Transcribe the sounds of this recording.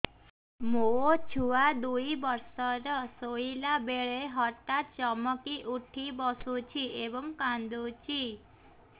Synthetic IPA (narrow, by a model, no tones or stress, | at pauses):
moot͡ʃʰuad̪ujbɔɾsɔɾɔsoilabeɭeɦɔʈːat̪̚t͡ʃɔmɔkiʔuʈʰibɔsut͡ʃʰiebɔŋkand̪ut͡ʃʰi